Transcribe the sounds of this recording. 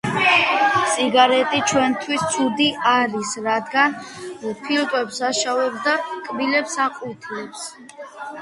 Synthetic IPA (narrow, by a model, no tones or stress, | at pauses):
sʼiɡaɾɛt̪ʼit͡ʃʰwɛnt̪ʰwist̪sʰud̪iʔaɾisɾad̪ɡanɔpʰilˠkʼwɛpsaʃavɛb̚d̪akʼbilɛpsaqʼut̪ʰilɛps